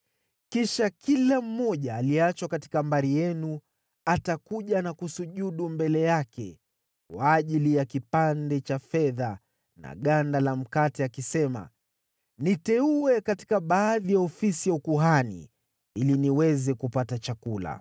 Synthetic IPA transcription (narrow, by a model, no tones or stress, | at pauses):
kiʃakilam̩ːɔʄaːliat͡ʃwakati̥kambaɾijɛnu | atakuʄanakusuʄuɗumbɛlɛjakɛ̰ | kwaːʄilijakipandɛt͡ʃafɛða | na̰ɠandalam̩katɛakisɛma̰ | nitɛuɛkati̥kaɓaːðijaɔfisijaukuɦanḭ | iliniwɛzɛkupatat͡ʃakula̰